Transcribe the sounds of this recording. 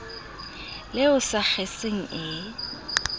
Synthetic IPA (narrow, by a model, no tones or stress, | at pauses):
lɪʊsak͡xʰeseŋ̩ʔɪ